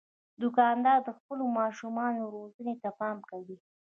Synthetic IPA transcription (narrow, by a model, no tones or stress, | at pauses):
d̪ʊkɑnd̪ɑɾd̪əxpəlomɑʃumɑnoɾozənet̪apɑmkawi